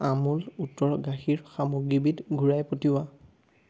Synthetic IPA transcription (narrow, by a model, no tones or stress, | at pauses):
amulutːɔɹɡaxiɹxamoɡɹibitɡʱuɹajpotiwa